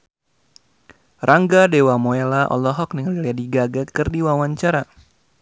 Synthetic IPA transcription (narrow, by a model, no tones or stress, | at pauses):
raŋɡadewamoelaʔɔ̰lɔɦɔk̚niŋaliliadiɡaɡakɨrdiwawaɲt͡ʃaɾa